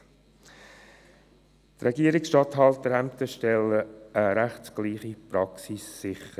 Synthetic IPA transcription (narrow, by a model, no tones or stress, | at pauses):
t̪rɛɡiəɾɪksʃtɑtɦɑltəɾæmt̪əʃtɛləəɾæχtsɡ̥liːχipɾɑksisːɪχə